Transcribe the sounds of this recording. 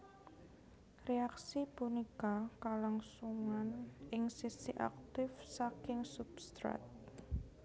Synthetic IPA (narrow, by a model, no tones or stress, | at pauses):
reaksipunikakalaŋsuŋanʔɪŋsisḭʔa̰k̚t̪ɪfsakɪŋsubst̪ɾa̰t̪̚